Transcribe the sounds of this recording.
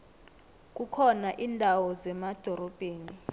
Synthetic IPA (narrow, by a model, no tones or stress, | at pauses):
k̬ʼukʰɔnaʔiːndʱawɔzɛmad̥ʱɔɾɔb̥ʱeːni